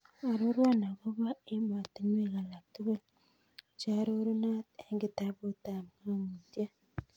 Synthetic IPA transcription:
a˨ɾo˦ɾwa˦na˨ɣo˦βa˦e˦ma˨ti˦ɲ˦e˦˨ɣa˨la˨k̚tu˦ɣe˦l | t͡ʃa˦ɾo˦ɾu˦na˦te˦ŋɡi˨ta˦βo˦ta˨m˨ŋa˦ŋu˨tja˦

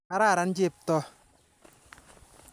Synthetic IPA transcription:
a˦ɾaː˦˨ɾa˨˦n˦d͡ʒe˦˨p̚tɔ˦

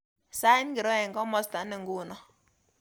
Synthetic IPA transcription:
sa˦ɪ˦nɡɪ˨ɾɔ˦ɛ˨ŋɡɔ˦mɔ˦sta˨˦nɪ˨ŋɡuː˦nɔ˨

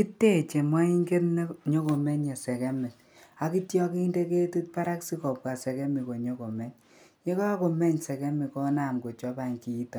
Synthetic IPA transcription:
ki˦tːe˦˨t͡ʃe˨ma˦i˦ŋɡe˦tn˦ɲo˦ko˨mɛ˦ɲe˨sɛ˨kɛ˦mɛ˨t | a˨ki˦tjɔ˦ki˦nde˦ke˦tu˦t̚pa˦ɾa˦ksi˦kɔ˨p̚ka˨sɛ˨kɛ˦mi˨ko˨ɲo˦ko˨mɛ˦ɲ | ɲe˦kɔ˦a˦ko˨mɛ˦ɲsɛ˨kɛ˦mi˨kɔ˦na˨mɡo˨t͡ʃɔ˦ba˨ŋki˨˦tɔ˨

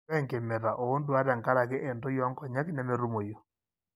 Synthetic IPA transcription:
ɛ˦ŋke˨mɛ˨ɾa˨ʔo˨o˦ndwa˦ɾa˨ŋka˦ɾa˨kɪ˦ʔɛ˨nto˦jɔ˦ŋkɔ˨ɲɛ˦knɛ˨me˨ɾu˦mo˨jo˨

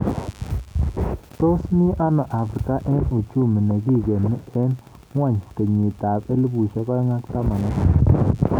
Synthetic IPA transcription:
t̪o˦smi˦ʔa˦na˨ʔa˨fɾi˨ka˦ʔɛ˦nu˨t͡ʃu˦˨mi˨ne˨ɡi˦ɡe˨nːi˦e˦n | ŋwa˦˨ɲte˨ɲi˨t̪a˨be˦lbu˨ʃa˦kɔ˦ŋa˦kt̪a˦ma˨na˦ka˨

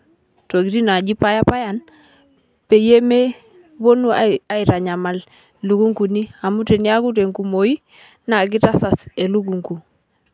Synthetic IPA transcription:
to˨ki˨ti˦na˨d͡ʒi˦pa˦ja˦pa˦ja˨n | pe˨je˦me˦ | βo˦nu˦a˦i˨ɾa˨ɲa˨ma˨l | lu˨˦ku˦ŋku˨ni˦a˨mu˦te˨ni˦a˦ku˦te˨ŋku˨mo˨i˦ | na˨k̬i˦ta˦sa˨se˨lu˦ɡu˨ŋku˨

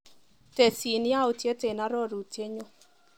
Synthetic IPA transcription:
te˨si˨nɪ˦a˦o˨tje˦te˨na˦ɾɔ˦˨ɾu˨tje˦ɲo˦

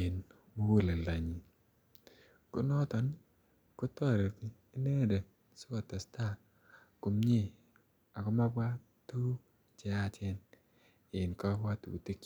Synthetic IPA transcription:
ɪ˨n | mo˦wo˦˨le˨la˨ɲi˨ | ko̰˦nɔ˦t̪ɔ˨n | ko˦tɔ˦˨ɾe˨ti˦ | i˦ne˦de˨ | so˦kɔ˨ta˨sta˦˨ | ko˨mɲe˦ | a˨kɔ˦ma˦bwa˦ | tu˦ | t͡ʃa˦a˨t͡ʃɛ˦n | ɪ˨nkɔ˦wa˦tṵ˨ti˦k

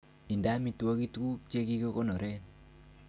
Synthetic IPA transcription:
i˨nda˦mi˨two˦ki˦tku˦k̚t͡ʃe˦ki˦ko˦kɔ˦nɔ˨ɾɛ˦n

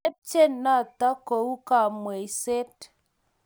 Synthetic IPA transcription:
e˦p̚t͡ʃe˦nːa˦˨ta˦ko˨u˦ka˨mwe˨i˨se˦t

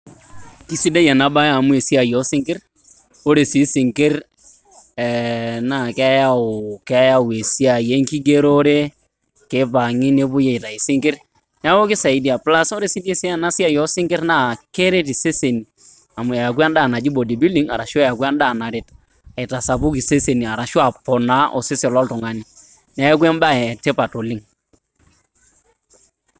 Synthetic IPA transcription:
ki˨˦si˦da˦jɛ˨na˨ba˦ja˨mʊ˦e˨si˦a˨jɔ˦sɪ˦ŋkɪ˦r | o˦ɾe˨si˨˦sɪ˨ŋkɪ˦r | ɛ˨na˦˨kɛ˦ja˦ʊ˨kɛ˦ja˦ʊ˨e˨si˦a˨je˦ŋki˦ɡe˦ɾo˦ɾe˦ | ke˦pa˨ŋɪ˦ne˦pʊ˦je˨ɪ˨ta˨ɪ˨sɪ˦ŋkɪ˦r | n˦a˦o˦kɪ˦sa˨i˦di˨a˨pla˦so˦ɾe˦si˦de˦si˦a˦na˦si˦a˦jɔ˦sɪ˦ŋɡɪ˦ɾna˦˨ke˦ɾe˦ti˨se˦se˨ni˨ | a˨mʊ˨ja˨a˨k̬wa˦nda˦˨na˨d͡ʒi˦bo˨di˨bi˦li˦ŋa̰˨ɾa˨ʃja˨kwa˦nda˦˨na˨ɾɪ˦t | a˨ɪ˨ta˨sa˨pʊ˦ki˨se˦se˨ni˨a˨ɾa˨ʃwa˨pɔ˨na˦ʔo̰˨sɪ˦sɪ˨lɔ˦ltʊ˨ŋa˨ni˨ | nɛ˦k̬we˦mba˦ɛ˨te˦pa˨to˨li˦ŋ

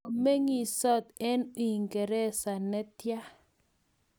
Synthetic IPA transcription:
me˦ŋi˨sɔ˦t̪ɛ˦no˨i˨ŋɡɛ˨ɾɛ˦sa˨nɛ˦tja˦

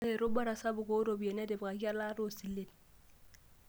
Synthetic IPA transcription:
e˨ɾʊ˦ba˦ɾa˨sa˦bʊ˨ko˦ɾo˨bi˨e˨nɛ˦dɪ˨bka˨ki˦a˦la˦ɾo˦˨si˨le˨d

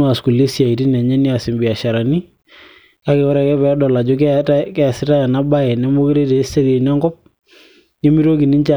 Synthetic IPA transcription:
ʊ˦a˨sku˨le˦sja˨i˨ti˦na˨ɲɛ˦ni˦a˨sɪ˨mbɪ˨a˨ʃa˨ɾa˨ni˦ | ka˦kɛ˨wɔ˦ɾɛ˨kɛ˦pɛ˨˦dɔ˨la˨d͡ʒʊ˦ktkɛ˦a˨sɪ˦ta˦a˨na˦ba˦ɛ˨nɛ˦mo˦ke˦ɾe˦te˨˦st͡ʃa˦te˨na˦ŋɡɔ˦p̚ | ɲe˦mi˦ɾo˦ki˨ni˦ɲt͡ʃa˨

